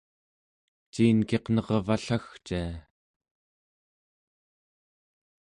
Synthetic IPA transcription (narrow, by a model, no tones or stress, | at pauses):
t͡ʃiːnke̞qnʌʁvaɬaxt͡ʃia